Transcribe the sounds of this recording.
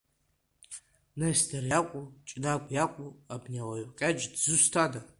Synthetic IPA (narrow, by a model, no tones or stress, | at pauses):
nasdarjakʷʼut͡ʃʼnakʷʼjakʷʼuabniawajkʲʼad͡ʒdzɨstʰada